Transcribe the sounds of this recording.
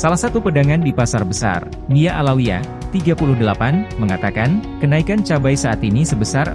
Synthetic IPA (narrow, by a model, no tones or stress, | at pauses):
salahsat̪upədaŋandipasarbəsa̰r | miaʔalawia̰ | t̪iɡapulʊhdəlapanməŋat̪akankənaikant͡ʃabajsaat̪inisəbəsar